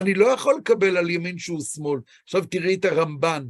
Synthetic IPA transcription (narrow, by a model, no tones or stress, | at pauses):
nilo̞jaχolːekabe̞laljaminʃeusmo̞l | aχʃavt̪iʁit̪aʁamban